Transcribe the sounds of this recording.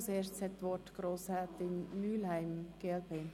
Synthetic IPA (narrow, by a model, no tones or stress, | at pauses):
seːst͡shɛt̪ʋɔtɡ̥ɾoːshɛːt̪ɪnmyːlhaɪmɡ̥eɛlpeːn